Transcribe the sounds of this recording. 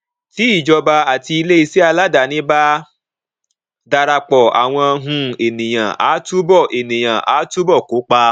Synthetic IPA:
ti˨˦i˦˨d͡ʒɔ˧ba˧a˨ti˧i˧le˦i˧si˦a˧la˦da˨nĩ˦ba˦ | da˧ɾa˧k͡pɔ˨a̰˨w̃ɔ̃˧a˧ɦũ˧e˨nĩ˨j̃ã̰˨ʔa̰ː˨˦tu˦bɔ˦˨ʔe˨nĩ˨j̃ã˨ʔa̰˨˦tu˦bɔ˦˨ko˨˦k͡pa˧

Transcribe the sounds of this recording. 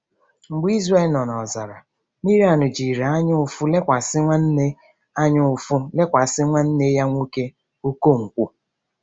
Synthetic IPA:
ŋ͡m̩˨ɡ͡bi˦zre˦˨lnɔ˨nɔ˨za˨ɾa̰˨ | mi˦ɾi˦a˨nʊ˨d͡ʒi˨ɾe˨a˦ɲʊ˦ʊ˨fʊ˦le˦kʷa˨sɪ˦ŋʷa˦n̩˦ne˦ | a˦ɲʊ˦ʊ˨fʊ˦le˦kʷa˨sɪ˦ŋʷa˦n̩˦ne˦ja˦ŋʷu˦ke˦ | o˦ko˦˨ŋ̩˨kʷu˦

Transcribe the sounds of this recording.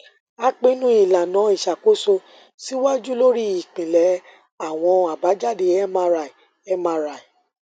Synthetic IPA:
a˦k͡pẽ˦nũ˦i˨la˨nã˨˦i˨ʃa˨ko˨˦so˧ | si˦wa˦d͡ʒu˦lo˦ɾi˦i˨k͡pĩ˨lɛ˨˦ | a˨w̃ɔ̃˧a˨ba˨˦d͡ʒa˦de˧ɛ˦mã˧˦ɾa˨i˨ | ɛ˦mã˧˦ɾa˨i˨

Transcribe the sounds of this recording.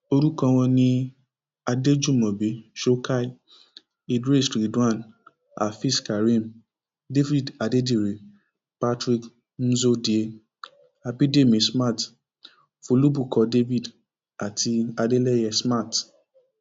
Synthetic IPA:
o˧ɾu˦kã˧w̃ɔ̃˧nĩ˧ | a˧de˦d͡ʒu˦˨mɔ̃˨be˨˦ʃo˦ka˦˨˦ | i˨dɾe˦˨sɾi˨˦du˦ã˦˨n | a̰˨fi˦˨ska˨ɾĩ˦˨m | de˦vi˦˨da˨de˦di˦˨ɾe˨˦ | pa˦tɾi˦˨k | n̩˦zo˦di˨e˦ | a˧bi˦de˦˨mĩ˨˦sma˦˨t | fo˧lu˦bu˦˨kɔ˨˧de˦vi˦˨d | a˨tʰi˧a˧de˦lɛ˦jɛ˧sma˦˨t

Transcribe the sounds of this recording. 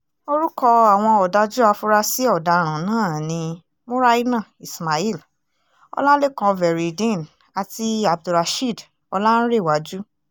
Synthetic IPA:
o˧ɾu˦kɔ˧a˨w̃ɔ̃˧ɔ˨da˧d͡ʒu˦a˧fu˧ɾa˧si˦ɔ˦˨da˨ɾ̃ã˨nãː˦˨nĩ˧ | mõ˦ɾa˦i˦nã˦˨i˨sma˨i˦˨l | ɔ̰˧la˦le˦kã˧vɛ˨ɾi˨dĩ˦˨n | a˨ti˧a˨b̚du˨ɾa˨˧ʃi˦˨d | ɔ˧la˦ñ̩˦ɾe˦˨wa˨d͡ʒu˦

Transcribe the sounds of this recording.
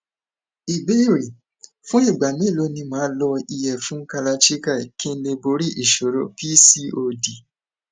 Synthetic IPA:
i˨be˦i˦˨ɾi˨ | fũ˦i˦˨ɡ͡ba˨mĩ˨˦˨lo˧˦nĩ˧mãː˨˦lɔ˧i˧jɛ˨fũ˦ka˧la˧ʃi˦ka˦˨kĩ˦n̩˦le˧bo˧˦ɾi˦ʔi˨ʃo˨ɾo˨pi˦si˦o˧di˨

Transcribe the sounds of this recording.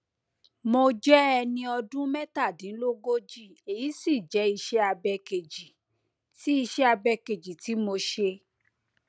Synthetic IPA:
mo˧d͡ʒɛ˦ɛ˧nĩ˧ɔ˧dũ˦mɛ˦ta˦˨dĩ˨˦lo˦ɡo˦d͡ʒi˦˨e˨ji˨˦si˦˨d͡ʒɛ˨˦i˧ʃɛ˦a˧bɛ˧ke˨d͡ʒi˨ | ti˦i˧ʃɛ˦a˧bɛ˧ke˨d͡ʒi˨ti˨˦mo˧ʃe˧

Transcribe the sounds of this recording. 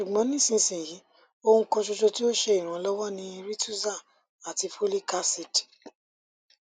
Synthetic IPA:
ʃu˨ɡ͡bɔ̃˨˦nĩ˦˨sĩ˧sĩ˨ji˨˦ | o˧hũ˧kɔ̃˧ʃo˧ʃo˧ti˦o˦ʃe˧i˨ɾ̃ã˨˦lɔ˦wɔ˦nĩ˧i˧ɾi˦tu˦za˦˨ | a˨ti˧fo˦li˦ka˦si˦˨di̥˨

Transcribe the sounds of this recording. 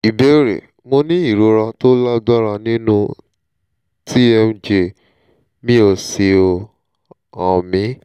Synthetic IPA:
i˨be˨˦ɾḛ˨ | mo˧nĩ˦i˦˨ɾo˧ɾa˧to˦la˦da˦ɾa˧nĩ˦nũ˦ | tʰi˦ɛ˧m˦d͡ʒe˧ | mĩ˦o˧˨se˧o˧ | ɔ˨mĩ˨˦

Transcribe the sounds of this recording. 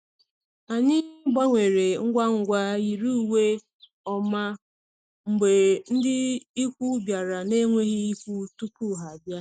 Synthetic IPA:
a˨ɲɪ˦ɡ͡ba˦ŋʷe˨ɾe˨ŋ̩˦ɡʷa˦ŋ̩˨ɡʷa˦i˨ɾu˦u˦˨we˦ | ɔ˦ma˦ | ŋ͡m̩˨ɡ͡be˨n̩˦dɪ˦i˦kʷu˦bja˨ɾa˨ne˦ŋʷe˦ɣi˦i˦kʷu˦tu˦pu˦˨ɦa˨a˨bja˦

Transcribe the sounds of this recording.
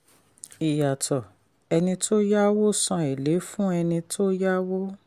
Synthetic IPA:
i˨ja˨tʰɔ˨ | ɛ˧nĩ˧to˦ja˦wo˦sã˧e˨le˨˦fũ˦ɛ˧nĩ˧tʰo˦ja˦wo˦

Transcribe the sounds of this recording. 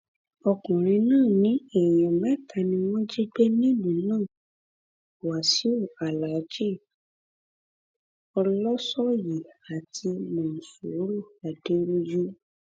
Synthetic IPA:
ɔ˧kũ˨ɾ̃ĩ˧nãː˦˨nĩ˨˦ɛ˨jɔ̃˨mɛ̃˦˨ka˧nĩ˧w̃ɔ̃˦d͡ʒi˦ɡ͡be˦nĩ˦lũ˨nãː˦˨ | wa˨si˨˦o˦˨a˨la˨˦d͡ʒe˦˨ | ɔ˧lɔ˦sɔ˦ji˨a˨tʰi˧mɔ̃˨n̩˨sṵ˨˦ɾu˦˨a˨de˨˦ɾu˦d͡ʒu˦

